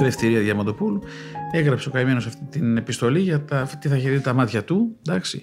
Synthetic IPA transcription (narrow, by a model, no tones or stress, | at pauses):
ðeft̪iɾiɐðʝɐmɐnd̪opulueɣɾɐpseokɐime̞no̞sɐft̪it̪inepist̪o̞liʝɐt̪ɐt̪iθɐçeðit̪ɐmɐt̪çɐt̪ud̪ɐksḭ